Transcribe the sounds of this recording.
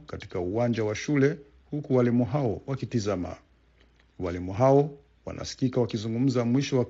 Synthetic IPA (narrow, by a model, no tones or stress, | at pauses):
kati̥kauwand͡ʒawaʃulɛ | hukuwalimuɦawɔwakitizama̰ | walimuɦaɔ | wa̰nʔa̰si̥kikawakizuŋɡum̩zamwiʃɔwak